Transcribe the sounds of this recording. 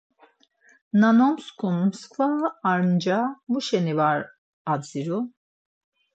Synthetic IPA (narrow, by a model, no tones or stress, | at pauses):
nanɔmskʰɔnmskvaaɾnd͡ʒamuʃɛnivaɾ | ad͡ziɾu